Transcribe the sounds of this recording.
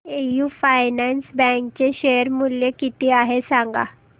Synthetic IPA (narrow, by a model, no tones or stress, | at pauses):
ejufajnɛnsbɛ̃ŋkt͡ɕeɕejəɾmuljekit̪iːaɦesaŋɡa̰